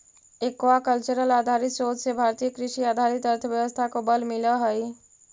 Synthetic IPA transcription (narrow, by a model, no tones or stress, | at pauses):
ekʋakəlt͡ʃuɾəlad̪ʱaɾit̪sod͡ʒsebʱaɾt̪ijəkɾɪʃiad̪ʱaɾit̪əɾt̪ʰəʋjəʋəst̪ʰakobəlmiləɦəj